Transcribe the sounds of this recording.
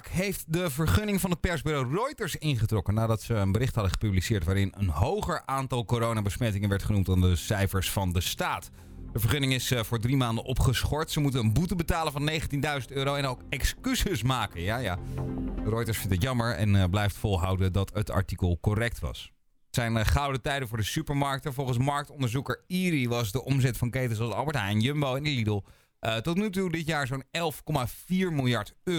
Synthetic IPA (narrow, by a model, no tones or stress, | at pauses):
kɦejftdəvəɹχɵnɪŋvɑnɦət̚pɛɹzbyrowrɔjtəɹsɪnχətrɔkənaːdɑtsəːnbəɾɪχtɦɑdəχə̥pyblisɪːɹtʋaːɾɪnə̰nɦowχəɹʔaːntɑlˠkoɾownaːbəsmɛtɪŋənʋɛɹtχənumtaːndəsɛjfəɹsfɑndəstaːt | d̥əvəɹχɵnɪŋɪsvʊːɹdrimaːndəʔɔpχəsχɔɹtsəmutənənbutəbətaːlənvɑnːejχəntindœɥzəntøːɾowɛnowkɛkskysəsmaːkənjaːjaː | rɔjtəɹsfɪntətjɑməɹɛ̰nblɛjftfɔlˠɦɑwdədɑtətɑ̰ɹtikəlˠkorɛk̚tʋɑ̰s | ətsɛjnχɑwdətɛjdənvʊːɹdəsypəɹmɑɹk̚tɛvɔlˠχəns̬mɑɹk̚tɔndəɹzukəɹiriʋɑsdəʔɔmzɛtfɑŋkejtəs̬ɑlsɑ̰lˠbəɹtɦɛjnjømbowɛnilidəlˠ | tɔtnytudɪtjaːɹzownɛlˠfkɔmav̥iːɹmɪlˠjɑɹtøː